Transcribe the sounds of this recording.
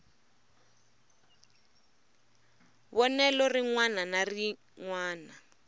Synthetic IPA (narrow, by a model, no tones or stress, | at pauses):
βɔnɛlɔriŋwananari | ŋwaːna